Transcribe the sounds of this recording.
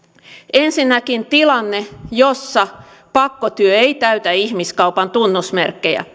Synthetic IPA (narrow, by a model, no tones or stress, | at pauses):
ensinːækint̪ilɑnːejosːɑ | pɑkːot̪yøeit̪æyt̪æihmiskɑupɑnt̪unːusmerkːejæ̰